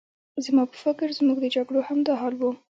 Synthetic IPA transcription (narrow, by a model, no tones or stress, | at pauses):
zəmɑpə̥fɪkɾzmuɡd̪əd͡ʒaɡɽohamd̪ɑɦɑlwu